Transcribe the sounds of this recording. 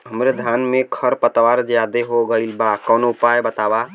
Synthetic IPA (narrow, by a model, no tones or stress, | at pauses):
ɦəmɾed̪ʱanmekʰəɾpət̪waɾd͡ʒjad̪eɦoɡəilbakənoupajbət̪aba